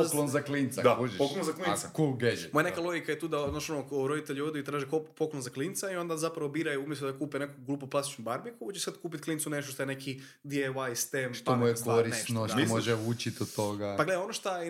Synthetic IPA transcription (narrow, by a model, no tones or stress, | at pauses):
klonzaklint̪sa̰d̪apokklonzaklikulɡed͡ʒmojanekalˠo̞ɡikajet̪uːd̪ad̪naʃonokɾod̪it̪eʎod̪iit̪ɾaːʒikoppoklonzaklint̪saio̞nd̪azapɾaʋobiːɾajuumjesud̪akuːpenekoɡlˠuːpoplast̪i̥t͡ʃnubaɾbikuot͡ʃesat̪kuːp̬it̪klinsune̞ʃt̪oʃt̪oenekʰi | d̪ieʋajst̪emʃt̪omujekoɾissnotomoʒɛut͡ʃit̪ot̪oɡapaɡle̞d̪aonoʃt̪a